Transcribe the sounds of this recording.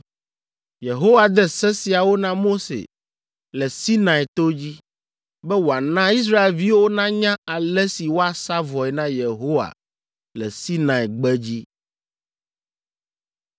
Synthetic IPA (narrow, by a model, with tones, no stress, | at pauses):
je˨ɦo˦wa˨d̪ɛ˦sɛ˦si˨a˨wo˦nã˦mo˦sḛ˨ | lɛ˨si˦nã˨i˨t̪o˦d͡ʑi˦ | bɛ˦wo˨a˨nã˦i˦s̬ɾa˦e˨lvi˦wo˦nã˦ɲã˦a˨lɛ˦si˨wo˦a˨sa˦vɔ˨ɛ˨nã˦je˨ɦo˦wa̰˨ | lɛ̰˨si˦nã˨i˨ɡ͡bɛ˦d͡ʑi˦